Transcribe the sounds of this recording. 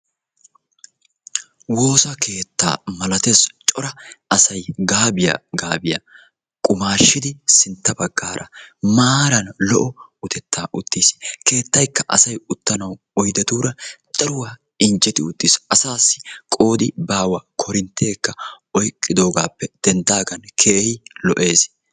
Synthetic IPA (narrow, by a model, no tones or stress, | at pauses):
wo̞ːsɐkʰe̞ːt̪ːa̰ːmɐlɐt̪est͡ʃʼɔɾɐʔɐsɐjɡaːbɪja̰ɡaːbɪja̰ | kʼʊmaːʃːɪd̪ɪsɪnt̪ːɐbɐɡːaːɾʔɐ̰maːɾɐnlɔʔɔʊt̪ɛt̪ːaːʔʊt̪ːiːske̞ːt̪ːɐjkːɐʔɐ̰sɐjʊt̪ːɐnɐw | ɔjd̪ɛt̪uːɾɐd̪ʼɐɾʊwa | ɪnd͡ʒɛt̪ɪ̰ʊt̪ːɪsɐsaːsːɪ̥kʼo̞ːd̪ɪbaːwɐkʰɔɾɪnt̪ʰːe̞ːkːɐ | ɔjkʼːɪd̪o̞ːɡaːpːɛd̪̥ɛnd̪aːɡɐnkʰeːɛjlɔʔe̞ːs